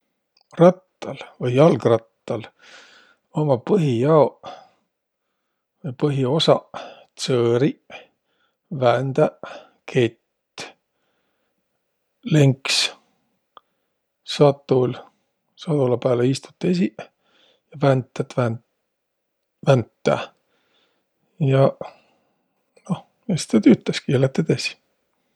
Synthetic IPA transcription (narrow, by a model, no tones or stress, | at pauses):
rɑt̪ːɑlvɤjɑlɡrɑt̪ːɑl | omɑpɤɦijɑo | vɤjpɤɦio̞sɑt̪søːɾi | vænd̪æ | kʰet̪ː | leŋks | sɑt̪ːˑul | sɑd̪̥ulɑpæːleist̪u̥t̪ːes̬i | jɑvænt̪ːæt̪væn | vænt̪ːæ̰ | jɑ | no̞h | est̪æt̪yːt̪ːˑeskilet̪ːet̪esi̥